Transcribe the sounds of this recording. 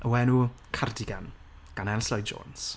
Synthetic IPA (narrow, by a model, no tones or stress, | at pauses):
əwɛnu | kʰardɪɡan | ɡ̥anɛlslɔjd͡ʒo̰ːns